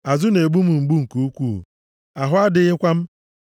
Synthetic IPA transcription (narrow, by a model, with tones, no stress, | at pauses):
a˨zʊ˦ne˨ɡ͡bu˦m̩˨ŋ͡m̩˨ɡ͡bu˦ŋ̩˨ku˨u˦kʷu˦˨ | a˨ɦʊ˦a˦dɪ˦ɣɪ˦kʷa˦m̩˦